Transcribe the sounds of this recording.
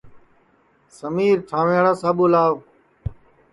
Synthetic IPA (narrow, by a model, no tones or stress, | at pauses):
səmiːɾt̪ʰãːʋẽːɽaːsaːɓuːlaːʋ